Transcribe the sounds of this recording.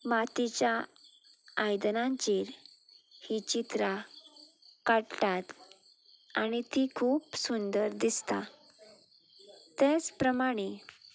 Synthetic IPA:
mat̪it͡ɕja | ajd̪nãɲt͡ɕiɾ | hit͡ɕit̪ɾa | kaɽʈat̪ | aɽ̃it̪ikʰuːpsund̪əɾd̪ist̪a̰ | t̪et͡spɾəmaɽ̃e

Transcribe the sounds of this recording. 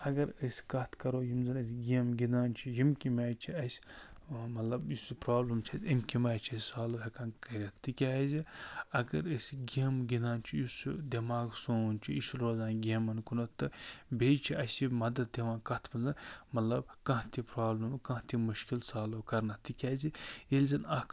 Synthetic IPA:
ɐɡɐɾɨsʲkɐt̪ʰkɐɾoːjimzɐnɐsʲɡʲemɡʲinaːnt͡ʃʰijimkʲimʲaːjt͡ʃʰiɐsʲ | mɐt̪lɐbjuspɾaːblɐmt͡ʃʰɐt̪ʲimkimaːt͡ʃʰɐsʲsaːloːɦʲɐkaːnkɐɾʲɐt̪ːikʲaːziɐɡɐɾɨsʲɡeːmɡʲinaːnt͡ʃʰijusud̪ʲɐmaːɡsoːnʲt͡ʃʰiiʃɾoːzaːnɡʲeːmɐnkunɐt̪ːɨbet͡ʃʰiɐsʲimɐd̪ɐt̪̚d̪ʲeʋãːkɐt̪ʰbɐnzɐnmɐt̪lɐb̚kɐ̃ɦt̪ʲipɾaːblɐmkɐ̃ɦt̪imɨʃkilsaːloːkɐɾnɐt̪ːikʲaːzijelʲzɐnɐk

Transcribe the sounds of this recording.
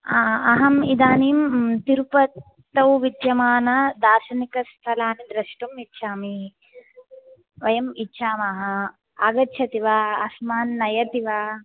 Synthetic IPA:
aɐɦɐmid̪aːniːmt̪iɾupɐtt̪ːɐwʋid̪jɐmaːnɐd̪aːɾʃɐnikɐst̪ʰɐlaːnid̪ɾɐʃʈumitːʃʰaːmi | ʋɐjɐmitːʃʰaːmɐɦɐ | aːɡɐtːʃʰɐt̪iʋaːɐsmaːnːɐjɐt̪iʋaː

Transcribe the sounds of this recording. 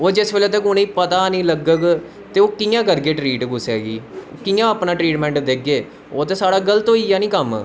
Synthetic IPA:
oːd͡ʒɪsʋeːleːt̪əkʊnĩːpət̪aːnĩːləɡəɡ | t̪eːoːkijãːkəɾɡeːʈɾiːʈkʊsɛːɡiːkiːjãːəpnaːʈɾiːʈmɛ̃ːɳʈd̪ek̚ɡeː | oːt̪eːsaːɽaːɡəlt̪õːiːjaːnĩːkəm

